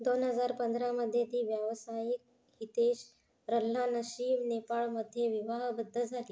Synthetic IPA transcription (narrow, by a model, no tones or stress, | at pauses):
d̪onɦəd͡zaɾpənd̪ɾaməd̪ʱjet̪iːʋjəʋsajik̚ | ɦit̪eɕ | ɾəlːanəɕiːmnepaɭməd̪ʱːjeʋiʋaɦbəd̪ʱːəd͡zʱaliː